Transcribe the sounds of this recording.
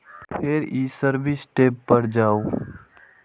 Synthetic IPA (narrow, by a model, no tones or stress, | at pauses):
pʰeɾiːsəɾbʱisʈeːpːəɾd͡ʒaːoː